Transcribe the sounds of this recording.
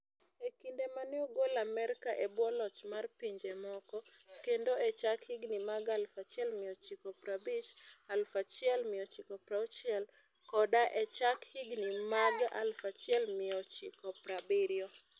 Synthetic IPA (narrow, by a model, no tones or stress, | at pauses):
ekindemanɪɔɡolamɛrkaʔebwɔlɔt͡ʃmarpiɲd͡ʒɛmɔkɔkendoɛt͡ʃakhiɡnimaɡalfat͡ʃɪɛlmɪjɔt͡ʃɪkɔpɾabɪt͡ʃalfat͡ʃɪɛlmɪɔt͡ʃɪkɔpɾaut͡ʃɪɛl | kɔdaʔɛt͡ʃakhiɡnimaɡa̰lfat͡ʃɪɛlmɪɔt͡ʃɪkɔpɾabɪɾjɔ